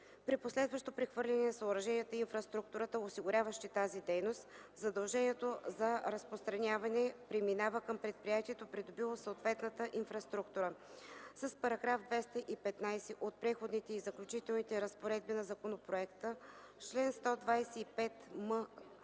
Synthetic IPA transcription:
pɾiposlɛd̪vəʃt̪opɾɛxvɤɾlʲɐnɛnɐsəʊɾɐʒɛnʲiət̪əinfɾɐst̪ɾuk̚t̪uɾət̪əosiɡʊɾʲavəʃt̪it̪azid̪ɛjnost̪ | zɐd̪ɐlˠʒɛnʲiɛt̪ozɐɾɐspɾost̪ɾɐnʲjavɐnɛpɾɛminavəkəmpɾɛt̪̚pɾijat̪iɛt̪opɾid̪obilˠosoot̪vɛt̪nət̪əʔinfɾɐst̪ɾukt̪uɾə | səspɐɾɐɡɾavd̪vɛst̪əʔipɛt̪najsɛʔot̪̚pɾɛxod̪nit̪ɛizɐklʲʊt͡ʃit̪ɛlˠnit̪ɛɾəspoɾɛd̪̚binɐzɐkonopɾoɛkt̪ə | t͡ʃlɛnst̪ɔd̪vajsɛipɛt̪mə

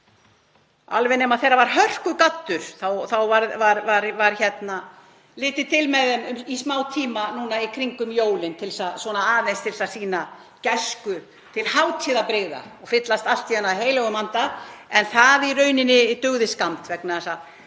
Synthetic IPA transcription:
a̰lvɛnɪɛmaðθejrːavaɾ̥ɦœr̥kʏkat̪ːʏɾ̥θawθawvaɾvaɾvaɾvaɾ̥çɛt̪na | lɪːt̪ɪt̪ʰɪlmɛðɛmʏmismaːwt̪ʰiːmanunaikʰɾiŋkʏmjoːwlɪnt̪ʰɪlsaðswɔːnaaːðenst̪ʰɪlsasiːna | cɛskʏ | t̪ʰɪlhawt̪ʰiːðapɾeɣða̰ɔɣfɪt̪last̪alt̪ːiɛnaɦeːjlɛɣʏmant̪aɛnθaðirœːɥnɪnːɪt̪ʏɣðɪskamt̪vɛknasa

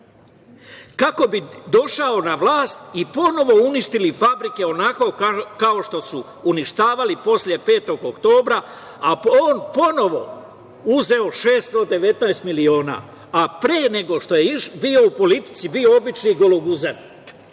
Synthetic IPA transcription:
kako̞bid̪o̞ʃao̞naʋlaːst̪ipo̞no̞ʋo̞uniʃt̪ilifabɾike̞o̞nako̞kao̞ʃt̪o̞suː | niʃt̪aːʋalipo̞slje̞pe̞ːt̪o̞ɡokt̪o̞ːbɾa | aoːnpo̞no̞ʋo̞̰ | uze̞o̞ʃe̞ːst̪o̞d̪e̞ʋe̞t̪naest̪milio̞ːna̰ː | apɾeːne̞ɡo̞ʃt̪o̞jeibiːo̞upo̞lit̪i̥t̪sibio̞obit͡ʃniɡo̞loɡuzan

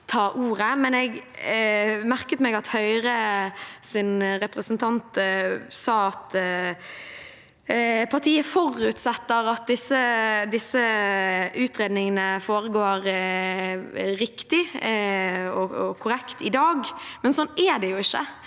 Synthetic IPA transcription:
t̪ʰɑːʔuːɾəmɛnɛɡ | mæʁkət̪mɛɡɑt̪hœʏʁəsɪnʁɛpɾəsənt̪ʰɑnt̪sɑːɑt̪ | pʰɑʁt̪ʰiːəfɔɾʉt̪sɛt̪ːəɾɑt̪̚d̪ɪsːəd̪ɪsːə | ʉːt̪ɾeːd̪nɪŋənəfoːɾəɡoːɾ | ɾɪkt̪ɪ | ɔɔkʰʊɾɛkt̪ɪd̪ɑːɡmɛnsɔnːɛd̪ɛjʊɪçːə

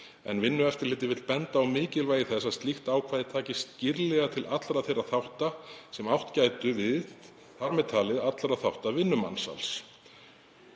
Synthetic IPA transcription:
ɛ̰nvɪnːʏɛft̪ɪɾlɪːt̪ɪvɪt̪lpɛnt̪aːwmɪːcɪlvaːjɪθɛsːaðst̪lixt̪aːwkʰvaːjðɪt̪ʰaːcɪst̪cɪɾlɛɣat̪ʰɪlʔat̪lɾaðθejrːaθawht̪asɛmawht̪caːjt̪ʏvɪð | haɾmɛt̪ʰaːlɪðat̪lɾaðθawht̪avɪnːʏma̰nsa̰ls

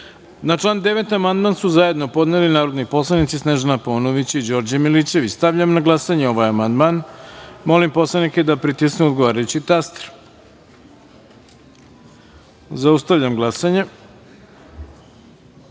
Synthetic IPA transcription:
nat͡ʂlˠaːnd̪e̞ʋe̞t̪amand̪mansuzaje̞d̪no̞po̞d̪nelinaːɾo̞d̪nipo̞slˠanit̪sisneʒanaponoʋit͡ɕid͡ʑo̞ɾd͡ʑamilit͡ɕe̞ʋit͡ɕst̪aʋʎamnaɡlˠasaɲeo̞ʋajamand̪manmo̞limpo̞slˠaniked̪apɾit̪iskneod̪ɡoʋaːɾajut͡ɕit̪ast̪ɾ | zaust̪aʋʎamɡlˠasaɲe

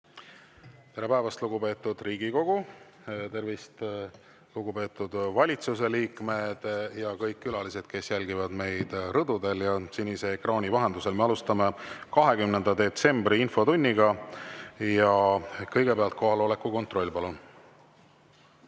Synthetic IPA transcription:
t̪e̞ɾe̞pæevɑst̪luɡ̥upe̞ːt̪ːˑud̪̥riːɡ̥iko̞ɡ̥u | t̪e̞rvist̪ | luɡupe̞ːt̪ːˑud̪̥vɑlʲit̪sus̬e̞liːkme̞d̪̥jɑkɤjkːylɑlise̞d̪̥ke̞sjælʲɡivɑd̪me̞jd̪̥rɤd̪̥ud̪e̞ljɑsinʲːise̞ːkrɑːnʲivɑɦe̞nd̪use̞lme̞ɑlust̪ɑme̞kɑɦe̞kymne̞nd̪ɑd̪e̞t̪se̞mbriinfo̞t̪unʲːiɡɑ | jɑkɤ̞jɡe̞peɑlt̪̚ko̞ɦɑlole̞kːˑuko̞nt̪ro̞lʲːpɑlun

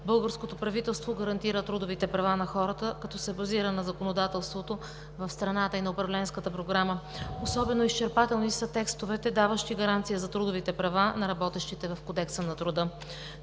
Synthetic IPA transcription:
bɤlˠɡəɾskot̪opɾɐvit̪ɛlˠst̪voɡəɾɐnt̪iɾət̪ɾud̪ovit̪ɛpɾɐvanɐxɔɾət̪əkɐt̪ɔsɛbɐziɾənɐzɐkonod̪at̪ɛlˠst̪vot̪o | vɐfst̪ɾɐnat̪əinɐopɾɐvlɛnskət̪əpɾoɡɾamə | osɔbɛnoist͡ʃɛɾpat̪ɛlˠnisət̪ɛkst̪ovɛt̪ɛd̪avəʃt̪iɡɐɾant̪sijəzɐt̪ɾud̪ovit̪ɛpɾɐvanɐɾɐbɔt̪ɛʃt̪it̪ɛvɐfkod̪ɛksənɐt̪ɾʊd̪ɤ

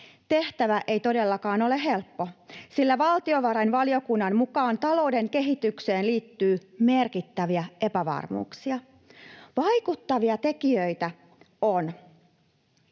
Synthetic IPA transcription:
t̪e̞ht̪æʋæʔe̞jt̪o̞delːɑkɑːno̞leɦe̞lpːosilːæʋɑlt̪io̞ʋɑɾɑinʋɑlio̞kunːɑnmukɑːnt̪ɑlo̞ude̞ŋke̞ɦit̪ːykseːnliːt̪ːyːmerkit̪ːæʋiæe̞pæʋɑ̰rmṵːksiɑ | ʋɑjkut̪ːɑʋiɑt̪e̞kiøjt̪æ | on

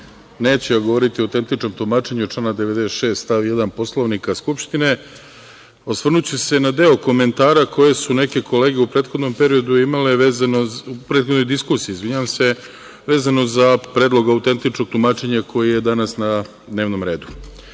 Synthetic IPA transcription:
ne̞ːt͡ɕejaɡoʋo̞ɾit̪ioawt̪e̞nt̪it͡ʃno̞mt̪umaːt͡ʃe̞ɲuot͡ʃlaːnad̪eʋe̞d̪est̪ʃe̞ːst̪t̪aʋjed̪anpo̞slˠoʋnikaskupʃt̪ine̞ | o̞sʋr̩nut͡ɕese̞nad̪e̞oko̞me̞nt̪aːɾako̞je̞sune̞ke̞ko̞le̞ːɡeupɾet̪xo̞d̪no̞mpe̞ɾio̞d̪uimaleʋeːzanopɾet̪xod̪no̞jd̪iskuːsijiːzʋiɲaʋamse̞ | ʋe̞ːzano̞zapɾe̞ːd̪lˠo̞ɡaut̪e̞nt̪it͡ʃno̞ɡ̚t̪umaːt͡ʃe̞ɲakʰo̞jije̞d̪anasna | d̪ne̞ːʋno̞mɾe̞ːd̪u

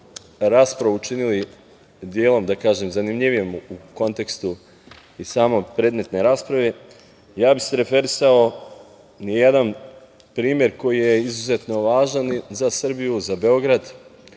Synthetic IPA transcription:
ɾaːspɾaʋuut͡ʃinili | d̪jeːlˠo̞md̪akaːʒemzanimʎiʋijemuko̞nt̪e̞kst̪u | isaːmo̞jpɾeːd̪me̞t̪ne̞jɾaːspɾaʋe | jaːbiseɾe̞fe̞ɾisao̞ | nijed̪an | pɾiːmje̞ɾko̞jijeizuzet̪no̞ʋaːʒanzasr̩bijuzabe̞o̞ɡɾad̪

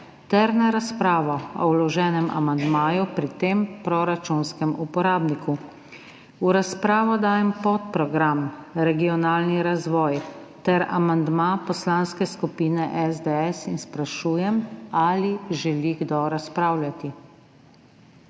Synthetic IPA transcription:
t̪ɛɾnaɾaspɾaːʋɔɔ̰wlɔʒɛːnɛma̰mand̪maːjupɾit̪empɾɔɾat͡ʃunskɛmupɔɾaːbniku | uɾaspɾaːʋɔd̪aːjɛmpɔt̪̚pɾɔɡɾamɾɛɡiɔnaːlniɾazʋɔːj | t̪ɛɾa̰mand̪mapɔslanskɛskupiːnɛʔɛzd̪ɛɛsinspɾaʃuːjɛmaliʒɛliɡd̪ɔɾaspɾaːwlʲjʲat̪i

